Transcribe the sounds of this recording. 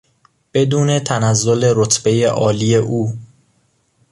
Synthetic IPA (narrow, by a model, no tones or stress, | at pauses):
b̥e̞d̪uːne̞t̪ʰænæzːo̞le̞ɾot̪ʰb̥e̞je̞ʔɒːlije̞ʔuː